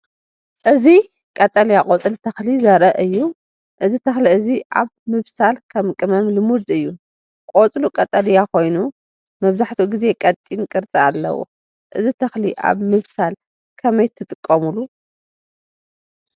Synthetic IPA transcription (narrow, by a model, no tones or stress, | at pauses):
ʔɨzi | kʼɐt̪ʼɐlijakʼot͡sʼɨlt̪ʰɐxlizɐɾɐʔɨjːu | ʔɨzit̪ʰɐxliɨziʔaβmɨβsalkʰɐmkʼɨmɐmlɨmud̪ɨjːu | kʼot͡sʼlukʼɐt̪ʼɐljakʰo̞jnu | mɐβzaħt̪ʰuɡize̞kʼɐt̪ʼːinkʼɨɾt͡sʼialːɐ̰wo̰ | ʔɨzit̪ʰɐxliʔa̰βmɨβsal | kʰɐmɐjt̪ʰːɨt̪ʼɨkʼːɐmulu